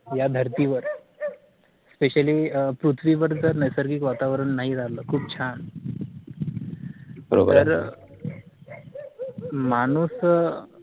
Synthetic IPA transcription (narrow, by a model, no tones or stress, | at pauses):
jad̪ʱəɾt̪iʋəɾ | speɕaliːpɾut̪ʰʋiʋəɾd͡zəɾnəjsəɾɡiːkʋat̪aʋɾəɳːaɦiɾaləkʰuːb̚t͡ɕʰan | bəɾo̰b̰ɾəɾ | mañuːs